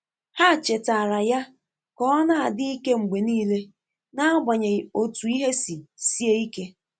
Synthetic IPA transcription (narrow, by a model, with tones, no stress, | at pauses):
ha˦˨t͡ʃe˨ta˨ɾa˨ja˦ | kɔ˦na˦a˨dɪ˦i˦ke˦ŋ͡m̩˨ɡ͡be˨niː˦le˦ | na˦ɡ͡ba˨ɲe˨o˨tu˨i˦ɦe˦si˨si˦e˦i˦ke˦